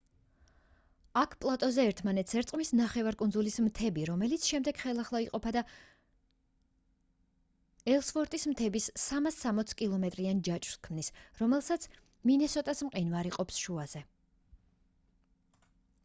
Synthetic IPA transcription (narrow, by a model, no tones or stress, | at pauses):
akʰpʼlˠat̪ʼɔzɛːɾt̪ʰmanɛt̪sʰɛɾt̪sʼqʼmisnaχɛvaɾkʼund̪zulismt̪ʰɛbiɾɔmɛlit̪sʰʃɛmd̪ɛɡχɛlˠaχlˠaiqʼɔpʰad̪a | ɛlˠsfɔɾt̪ʼismt̪ʰɛbisːamasːamɔt̪sʰkʼilˠɔmɛt̪ʼɾiand͡ʒat͡ʃʼɾskʰmnisɾɔmɛlˠsat̪sʰ | minɛsɔt̪ʼasmqʼinvaɾiqʼɔpsʃuaz̥ɛ